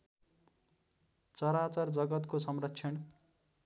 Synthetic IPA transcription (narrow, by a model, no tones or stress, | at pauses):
t͡sʌɾat͡sʌrd͡zʌɡʌt̪kosʌmrʌkt͡sʰjʌn